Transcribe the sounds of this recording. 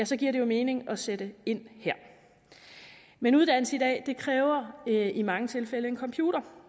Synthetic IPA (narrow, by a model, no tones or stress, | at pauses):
æsɒ̽ɡ̥iɐ̰ɾ̥e̝jo̝me̝ːne̝ŋɒ̽sed̥əe̝n̰hæɐ̰ | menuð̞ˠdæn̰l̩səid̥ɛ̰ːd̥e̝kʰʁɛːʊɐimɑ̈ŋət͡sʰe̝lfeləe̝nkʰɒ̽mpʰjuːɾ̥ɐ